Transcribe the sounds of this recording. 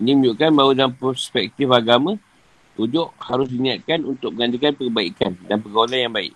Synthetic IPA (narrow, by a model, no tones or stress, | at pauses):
inimə̃ɲd͡ʒuʔkanbaudanpɾɔspɛk̚t̪ifaɡamã | t̪ud͡ʒʊʔhaɾʊs̬dinĩat̪̚kanunt̪ʊk̚məŋand͡ʒikanpəkəbaḭkandanpəɡawalanjaŋbaɪ̰ʔ